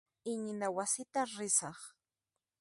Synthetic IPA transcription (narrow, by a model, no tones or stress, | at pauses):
ɪɲɪnawasɪt̪aɾɪsɑχ